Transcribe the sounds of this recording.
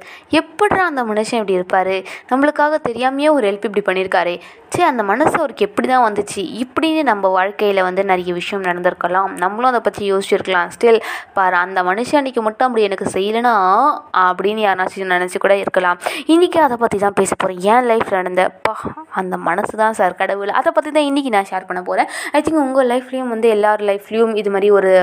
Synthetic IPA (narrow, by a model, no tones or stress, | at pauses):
ɛpːɐɽɾãɐnd̪ɐmɐnɯʂɐ̃ɛpːɐɽiɪɾɯpːaːɾɯnɐmːɐɭɯkːaːɣɐt̪ɛɾɪjaːmɐjeːɔɾɯɛlpɪp̬ːɐɽipɐɳːɪɾɯkːaːɾeː | t͡ʃeːɐnd̪ɐmɐnɐsɐʋɐɾɯkːɯɛpːɐɽit̪ãːʋɐnd̪ɯt͡ʃːiɪpːɐɽɪnːɯnɐmːɐʋaːɻkɐjɪlɐʋɐnd̪ɯnɛɾɐjɐʋɪʂɐjɐmnɐɽɐnd̪ɪɾɯkːɐlãːnɐmːɐɭʊ̃ɐðd̪ɐpɐt̪ːijoːsɪt͡ʃːɪɾɯkːɐlãːsʈɪlpaːɾɐnd̪ɐmɐnɯʂɐ̃ɐnːɪkːɯmʊʈːõɐp̬ːɐɽiɛnɐkːɯsɛjːɐlɐnaːɐpːɐɽɪnːɯjaːɾnaːt͡ʃːɪɾ̃nɐnɐt͡ʃːɯkuːɽɐɪɾɯkːɐlãːmɪnːɪkʲːɯɐðɐpɐt̪ːit̪ãːpeːsɐ̥pːoːɾẽːɛ̃ːlɐɪfnɐɽɐnd̪ɐpaɐnd̪ɐmɐnɐsɯt̪ãːsaːɾkɐɽɐʋɪlʔɐ̰ðɐpɐt̪ːit̪ãːɪnːɪk̬ʲːɪnãːʃaːɾpɐɳːɐpoːɾẽːɐɪt̪ɪ̃ŋɡʊŋɡɐlɐɪfljuːmʋɐnd̪ɯɛlːaːɾɯ̃lɐɪfljuːmɪðɯmaːd̪ɾiɔɾɯ